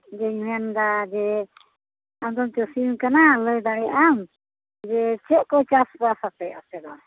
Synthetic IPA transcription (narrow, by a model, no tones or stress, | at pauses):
d͡ʒɛɲɛnd̪ad͡ʒɛ | amd̪ɔmt͡ʃɛsimkanalɔjd̪aɽɛʔam | d͡ʒɛt͡ʃɛʔkɔt͡ʃaspɔasapɛasɛd̪ɔ